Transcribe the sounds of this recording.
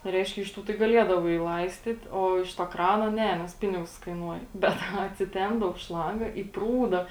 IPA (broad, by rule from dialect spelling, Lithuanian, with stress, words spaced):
ˈrʲɛɪʃʲkʲɛ ɪʃ ˈtuː tɐɪ ɡɐˈlʲiɛdɐʋɐɪ ˈlˠɐɪsʲtʲiːt oː ɪʃ toː ˈkrɑːnoː ˈnʲɛ nʲɛs ˈpʲɪnʲɪɡʊs kɐɪˈnuɔjɛ ˈbʲɛt ɐˈnɐ ɐtʲsʲɪˈtʲɛmbdɐw ˈʃlˠɐŋɡɐ iː ˈpruːdɐ